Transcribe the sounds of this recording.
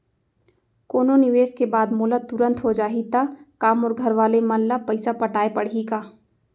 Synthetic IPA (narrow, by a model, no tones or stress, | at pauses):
koːnonɪʋeːskebaːd̪moːlət̪ʊɾə̃nt̪ɦod͡ʒaːɦit̪akaːmɔːɾɡʱɐɾʋaːlemɐllapɐɪsapɐʈaːepɐɽikaː